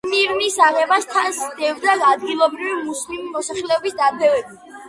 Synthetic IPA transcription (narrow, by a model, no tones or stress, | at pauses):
miɾnisaʁɛbast̪ʰansd̪ɛvd̪aad̪ɡilˠɔbɾivimuslimimɔsaχlɛɔbisd̪apʰɛvɛbi